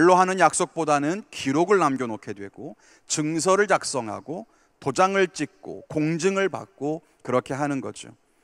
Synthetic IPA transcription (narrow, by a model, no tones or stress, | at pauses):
eɭːoɦanɯnjak̚s͈ok̚p͈odanɯnkiɾoɡɯɭnamɡjonokʰedwe̞̰ɡ̥o | t͡ɕɯŋs̬ʰʌɾɯɭt͡ɕak̚s͈ʌŋɦa̰ɡo | tod͡ʑaŋɯɭt͡ɕ͈ik̚k͈o̰koŋd͡ʑɯŋɯɭpa̰k̚k͈o | kɯɾʌkʰe̞ɦanɯnɡʌd͡ʑo̰